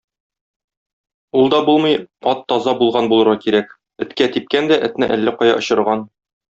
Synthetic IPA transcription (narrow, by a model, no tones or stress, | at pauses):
ulˠd̪ɒbulˠmɤjɒt̪ːɒzɑbulˠʁɑnbulˠɤ̆ɾʁɑkiɾæk | ɘ̆t̪kæt̪ip̚kænd̪æʔɘ̆t̪nɘʔælːæqɒjɑ̰ʔŏɕɤ̆ɾʁɑn